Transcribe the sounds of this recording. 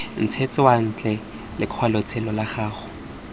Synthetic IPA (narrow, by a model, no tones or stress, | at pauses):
n̩t͡sʰet͡sʼɪwan̩t͡ɬʼɛ | lɪkʰwalot͡sʰɛlɔlaχaːχʊ